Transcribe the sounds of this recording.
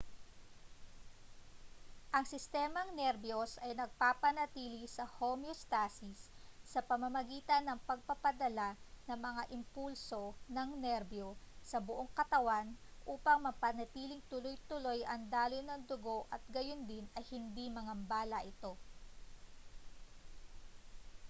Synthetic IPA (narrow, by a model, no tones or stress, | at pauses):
ʔɐŋsɪst̪ɛːmɐŋnɛɾbjosʔɐjnɐɡ̚papɐnɐt̪iːlisɐhomjost̪asisːɐpɐmɐmɐɡiːt̪ɐnːɐŋpɐɡ̚pɐpɐd̪ɐlanɐŋmɐŋaʔɪmpulso̞nɐŋnɛɾbjosɐbʊʔo̞ŋkɐt̪ɐwanʔuːpɐŋmɐpɐnɐt̪iːlɪŋt̪ʊlojt̪ʊlo̞jʔɐŋd̪aːlonɐŋd̪ʊɡo̞ʔɐt̪̚ɡɐjond̪ɪnɐjhɪnd̪imɐŋɐmbaːlɐʔɪt̪o̞